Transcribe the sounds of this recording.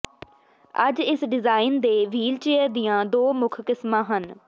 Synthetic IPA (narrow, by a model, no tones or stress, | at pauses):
ə̰d͡ʒɪsɖɪzaːɪnd̪eːʋiːlt͡ʃeːəd̪ijãːd̪oːmʊkʰkɪsmãːɦən